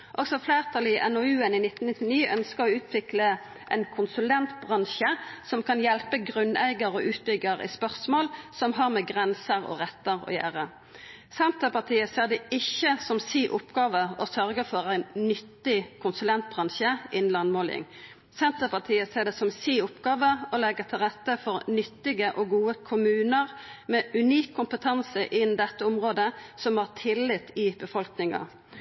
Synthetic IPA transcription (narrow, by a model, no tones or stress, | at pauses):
ʔɔɡsɔfleːʁt̪ʰɑːlɪʔɛnoʉːənɪnɪt̪n̩ɪt̪ːɪniːʔœnskəʁɔʉːt̪ʰʋɪklə | ʔɛ̰ɪnkʰʊnsʉlɛnt̪b̥ʁɑnʃəsɔmkʰɑnjɛlpəɡʁʉnæ̰ɪɡəʁɔːʔʉːt̪̚bʏɡəʁɪ̰ːspœʁsmoːlsɔmɦɑʁmɛɡʁɛnsəʁɔ̰ːʁɛt̪ːəʁɔ̰ːjæ̰ːʁə | sɛnt̪əpɑʁt̪ʰiːəseːʁd̪ɛɪçːəsɔmsiːʔʊpɡɑːʋəɔsœʁɡəfɔʁæɪnnʏt̪ːɪkʰʊnsʉlɛnt̪̚bʁɑnʃəʔɪnlɑnmoːlɪ̰ŋ | sɛnt̪əpʰɑt̪ʰiːəseːʁd̪ɛsɔmsiːʊpɡɑːʋəɔlɛɡət̪ʰɪlʁɛt̪ːəfɔɾnʏt̪ːɪɡəʔɔɡuːəkʰʊmʉːnəʁmɛʉniːkʰːʊmpət̪ʰɑnsəʔɪnd̪ɛt̪ːəʊmʁoːd̪əsɔmhɑːʁt̪ʰɪlːɪt̪ɪbəfɔlknɪŋɑ̰